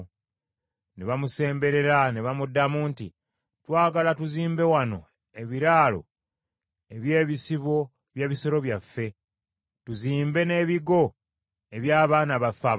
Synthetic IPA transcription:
neβamuse̞ːmbe̞ɾe̞ɾaneβamudːamuntḭ | twaːɡalatuziːmbe̞wano̞ | e̞βiɾaːlo̞̰ | e̞βje̞ːβisiβo̞ | βjeːβiseɾo̞βjafːe̞ | tuziːmbe̞ne̞ːβiɡo̞ | e̞βjaːβaːnaβafa

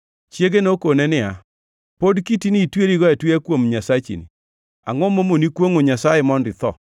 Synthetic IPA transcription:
t͡ʃjeɡenokonɛnɪa | podkitinitweɾiɡɔɛtwakwomɲasat͡ʃḭnḭ | a̰ŋomomonikwoŋoɲasaɛmɔndɪt̪ɔ̰

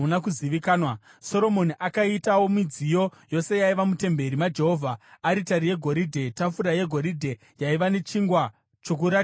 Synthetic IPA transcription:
unakuziʋikaːnwa | so̞ɾo̞mo̞niʔakaitawo̞mid͡zijo̞jo̞se̞jaiʋamute̞mbe̞ɾimad͡ʒe̞ɦo̞vʱaːɾitaɾije̞ɡʱo̞ɾidʱe̞tafuɾaje̞ɡʱo̞ɾidʱe̞ | jaiʋane̞t͡ʃiŋɡwa | t͡ʃo̞k̬uɾa

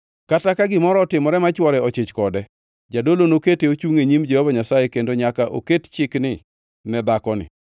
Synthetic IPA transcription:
katakaɡɪmɔɾɔːtɪmɔɾɛmat͡ʃwɔɾɛɔt͡ʃɪt͡ʃkɔdɛ | d͡ʒadolonoketeot͡ʃuŋeɲimd͡ʒɛhɔbaɲasajekendoɲakaʔo̰kett͡ʃɪknɪ | mɛbakɔnɪ̰

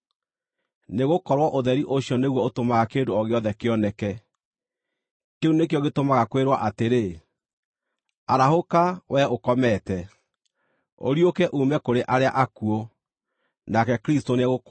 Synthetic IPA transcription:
neɣokɔɾwɔʔoðɛɾiʔoɕjɔneɣwɔotomaɣakeːndoɔɣeɔðɛkeɔnɛkɛ | keunekeɔɣetomaɣakweɾwa̰ʔateɾe | aɾahokawʔɛokɔmɛtɛ | o̰ɾiokɛʔumɛkoɾeʔaɾea̰ʔakuo | nakɛkɾistoneɣo

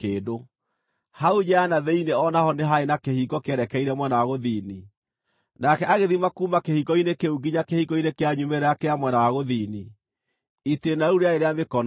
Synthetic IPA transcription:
eːdo | hauɲɛanaðɛineɔnahɔneɦaenakehikɔkeɛɾɛkɛiɾɛmwɛnawaɣoðiːni | nakɛʔaɣeðimakuːmakehikɔinekeuɡiɲakehikɔinekeaɲumeɾɛakeamwɛnawaɣoðiːni | itenauɾeaeɾeamekɔn

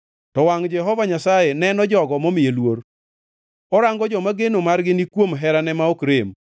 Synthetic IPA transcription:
tɔwaŋd͡ʒɛɦɔvaɲasajenɛnɔd͡ʒɔɡɔmomɪjelwoɾ | ɔɾaŋɡɔd͡ʒɔmaɡenomarɡɪnikwomɦɛɾanɛmaokɾem

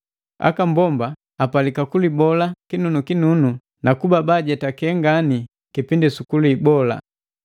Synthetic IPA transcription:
a̰kambɔmbaː | palikakulibɔlakinunukinunu | nakubabaɟɛtakɛŋɡani | kipindisukuluibɔla̰

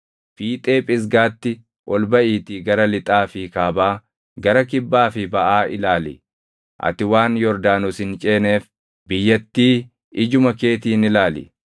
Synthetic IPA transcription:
fiːt̪ʼeːpʼɪs̬ɡaːt̪ːɪ | ʔɔlbɐʔiːt̪ɪɡɐɾɐlɪt̪ʼaːfɪkaːbaː | ɡɐɾɐkɪbːaːfɪbɐʔaːɪlaːlɪ̰ | ʔɐ̰t̪ɪwaːnjɔɾd̪aːnʊsɪnt͡ʃʼeːne̞ːf | bɪjːɐt̪ːiː | ɪd͡ʒʊmɐke̞ːt̪iːnɪlaːlɪ̰

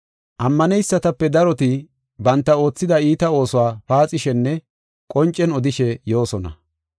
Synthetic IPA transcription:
ʔɐmːɐnɛjsːɐt̪ɐpːɛd̪ɐɾɔt̪ɪ | bɐnt̪ːɐo̞ːt͡sːɪd̪ɐiːt̪ɐo̞ːsʊwaːpaːt͡sʼɪʃɛnːɛ | kʼɔnt͡ʃʼːɛnɔd̪ɪʃɛjo̞ːsɔnɐ̰

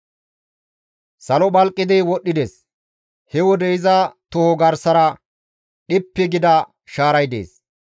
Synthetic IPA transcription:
sɐlɔbɐlkʼːɪd̪ɪwɔɗːɪd̪eːs | hɛwɔd̪ɛɪzɐt̪ʊhɔɡɐɾsɐɾɐ | ɗɪpːɪɡɪd̪ɐ | ʃaːɾɐjd̪ḛːs

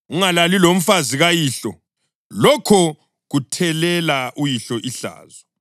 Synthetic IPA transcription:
uŋalalilom̩faziɣajiːɬɔ | lɔkʰɔ | ɣutʰɛlɛlaʔujiɬɔʔiɬa̰ːzɔ

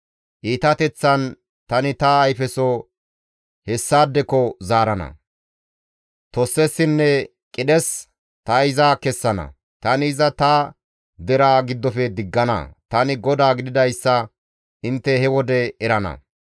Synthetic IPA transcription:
ʔiːt̪ɐt̪ɛt͡sːɐn | t̪ɐnɪt̪ɐːjfɛsɔ | hɛsːaːd̪ːɛkɔzaːɾɐnɐ̰ | t̪ɔsːɛsːɪnːɛ | kʼɪɗɛs | t̪ɐɪzaːkɛsːɐnɐ̰ | t̪ɐnɪɪzɐt̪ɐ | d̪ɛɾaːɡɪd̪ːɔfɛd̪ɪɡːɐnɐ̰t̪ɐnɪɡɔd̪aːɡɪd̪ɪd̪ɐjsːɐ | ʔɪnt̪ːɛhɛwɔd̪ɛɛɾɐnɐ̰

